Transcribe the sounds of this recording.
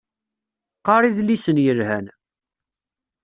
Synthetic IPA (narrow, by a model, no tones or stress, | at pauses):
qɑɾˤiðlisənjəɾhæn